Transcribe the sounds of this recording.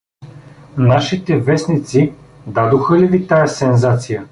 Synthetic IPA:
naʃit̪ɛvɛsnit̪si | d̪ad̪oxəlivit̪ajɛsɛnzat̪sijə

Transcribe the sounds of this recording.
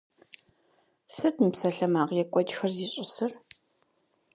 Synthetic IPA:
sɨtnɨpsɐɬɐmaːʁjɛkʷʼɔd͡ʒxɐrziːɕʼɪsɨr

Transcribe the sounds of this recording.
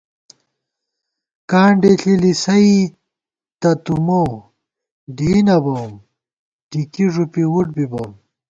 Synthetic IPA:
kaːɳɖeɬilisɐi | t̪ɐt̪umow | ɖiːnɐbɐm | ʈikiʐupiwuʈ̚bibɐm

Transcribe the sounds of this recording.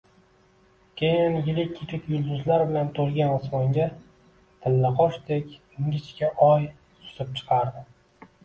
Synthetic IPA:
kʲejɪnjɪlɪkʲʰːikʲʰɪkʲjʊlˠd̪ʊzlaɾbɪlant̪ʰolˠɡʲanɨsmɒŋɡʲa | t̪ʰɪlːaqʰɒʃd̪ekʲ | ɪŋɡʲɪt͡ʃkʲaʔɒj | sʊ̥sɪp̚t͡ʃʰɨ̥qʰɑɾd̪ɪ

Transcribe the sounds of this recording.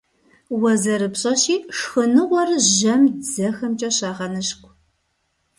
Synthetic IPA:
wɐzɐɾɨpɕʼɐɕiːʂxɨnɨʁʷɔrɨʒɐmzɐxɐmt͡ʃʼɐɕɑːʁɐnɨʃkʷʰʼ

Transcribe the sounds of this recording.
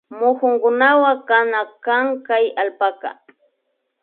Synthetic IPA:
mʊxʊŋkʊnawakanakaŋkajalpaka̰

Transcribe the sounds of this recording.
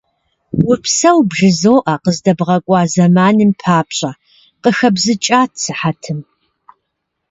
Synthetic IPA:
wʊpʰsɐwbʒɨzoːʔɐqəzdɐbʁɐkʷʼɑːzɐmaːnɨmpʰaːpɕʼɐ | qəxɐbzɨt͡ʃʼaːtʰsɨħatʰɨm

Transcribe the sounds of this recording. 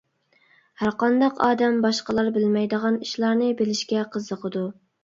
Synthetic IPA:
hæɾqɑnd̪ɑqʰɑ̰ːd̪ɛmbɑʃqəlˠɑɾbɪlmɛjd̪əʁɑniʃlˠɑɾnɨbelɪʃkʲɛqʰəzːəqʰəd̪u

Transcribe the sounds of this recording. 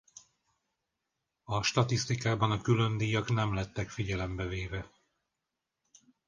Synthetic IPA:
ɒʃt̪ɒt̪ist̪ikaːbɒnɒkylø̞nd̪iːjɒknɛmlɛt̪ːɛkfiɟɛlɛmbɛveːvɛ

